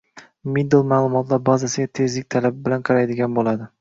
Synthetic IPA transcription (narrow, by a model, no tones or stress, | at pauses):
mid̪elˠmaːlˠʊmɒt̪laɾbazasɪɡʲat̪ʰe̞zlɪk̚ʲt̪ʰalabɪbɪlanqʰɑɾajd̪ɪɡʲanbolad̪ɪ